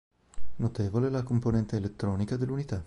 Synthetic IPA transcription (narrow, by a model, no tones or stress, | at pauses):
not̪eːvolelakomponɛnt̪eːlet̪ːɾɔːnikad̪elːunit̪a